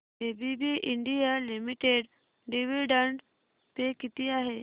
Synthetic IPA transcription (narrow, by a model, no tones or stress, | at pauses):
ebʱibiʔɪɳɖijalimiʈeɖ | ɖiʋiɖəɳɖ | t̪ekit̪iaɦe